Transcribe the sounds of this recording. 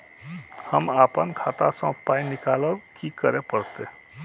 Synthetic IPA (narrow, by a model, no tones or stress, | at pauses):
həmaːpənkʰaːt̪asɔ̃paːinɪkaːləwkikəɾepəɽt̪e